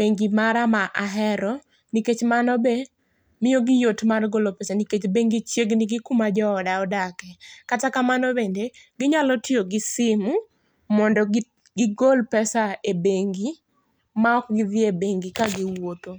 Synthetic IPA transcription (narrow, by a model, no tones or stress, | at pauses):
beŋɡimaɾamaʔaɦɛɾɔ | niket͡ʃmanɔbe | mɪjoɡɪjotmarɡolopɛsaniket͡ʃbeŋɡit͡ʃjeɡnɪɡɪkʊmad͡ʒɔːdaɔdakɛkatakamanɔbendeɡɪɲalɔtɪoɡɪsɪmu | mɔndɔ | ɡɪɡolpɛsaebeŋɡi | maɔkɡɪðɪebeŋɡikaɡɪwot̪o